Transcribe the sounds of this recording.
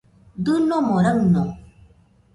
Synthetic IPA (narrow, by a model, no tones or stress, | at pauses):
d̪ɯnomoɾawno